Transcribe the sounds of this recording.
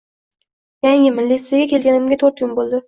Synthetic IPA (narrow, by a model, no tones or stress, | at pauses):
jaŋɪmɪlːisɪeɡʲakʲe̞lɡʲanɪmɡʲat̪ʰoɾt̪̚kʰʲʊnbolˠd̪ɪ